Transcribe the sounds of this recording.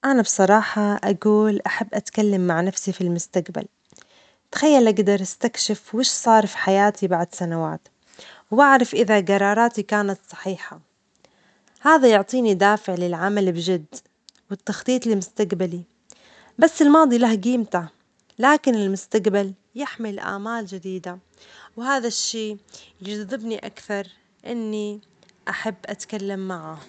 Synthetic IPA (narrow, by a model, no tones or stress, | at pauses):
ʔanabsˤɑɾˤɑːħɑʔaɡuːlʔaħabːʔat̪kalːamːaʕnafsifilmʊst̪aɡba̰l | t̪xajːalʔaɡd̪ɑɾˤʔast̪akʃɪfwɪʃsˤɑːɾˤfi̥ħajaːt̪ibaʕd̪sanawa̰ːt̪ | waʕɾˤɑfʔɪðaɡɑɾˤːɑːɾˤɑːt̪ikaːnat̪sˤɑ̥ħiːħa | haːðajʊʕt̪ˤiːnid̪aːfɪʕlɪlʕamalbɪʒɪd̪ː | wɪt̪ːɑxt̪ˤiːt̪ˤlɪmʊst̪aɡbali | basːɪlmɑːd̪ˤilahɡiːmt̪a | laːkɪnɪlmʊst̪aɡbal | jɪħmɪlʔa̰ːmaːld͡ʒɪd̪iːd̪a | whaːðaʃːeːjɪd͡ʒd̪ːɪbniʔa̰kθɑɾˤ | ʔɪnːiʔaħabːʔat̪kalːamːaʕa